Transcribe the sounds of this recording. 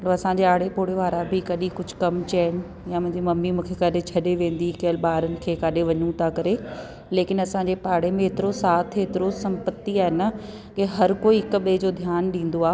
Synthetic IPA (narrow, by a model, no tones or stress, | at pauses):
ɐɽɐsãɲd͡ʑeaːɽepoːɽeʋaːɾabɪkɐɗikʊd͡ʑʱʊ̥kɐmt͡ɕɐːnɪ̆ | jamʊ̃ɦɪ̃ɲd͡ʑimɐmːimũːkʰekaːɗet͡ɕʰɐɗeʋẽːn̆d̪ikɐɦəlɓaːɾənɪ̆kʰeːkaːɗeʋɐɲũt̪ʰakɐɾe | leːkɪnɐsãːɲd͡ʑepaːɽemẽɦeːt̪ɪɾosaːt̪ʰɦeːt̪ɪɾosɐ̃mpət̪iaːɦɪnə | keɦɐɾkoːiɦɪkɓed͡ʑoːd̪ʱjaːnɗĩːn̆d̪oaː